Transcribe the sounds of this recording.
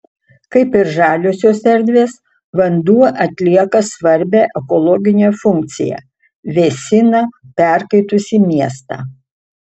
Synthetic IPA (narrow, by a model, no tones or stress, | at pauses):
kɐɪpɪɾʒɑːlʲosʲoːsɛɾʲd̪ʲʋʲeːs | ʋɐnd̪uɔʔɐt̪ʲlʲiɛkɐsʋɐɾʲbʲæːʔɛkɔlˠɔɡʲɪnʲeːfʊŋk̚t̪sʲɪ̰jɛ̰ | ʋʲesʲɪnɐpʲɛˑɾkɐɪt̪ʊsʲiːmʲiɛst̪ɑ̰ː